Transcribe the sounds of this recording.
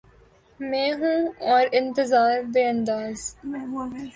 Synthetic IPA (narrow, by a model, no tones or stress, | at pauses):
mẽːɦũːɔːɾɪ̃nt̪ɪzaːɾd̪eɐ̃nd̪aːz